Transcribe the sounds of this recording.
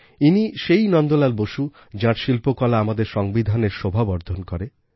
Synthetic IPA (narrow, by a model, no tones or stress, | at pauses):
iniʃejnɔnd̪olaɾboʃu | d͡ʑãɾʃilpokɔlaamad̪eɾʃɔŋbid̪ʱaneɾʃobʱabɔɾd̪ʱonkɔɾe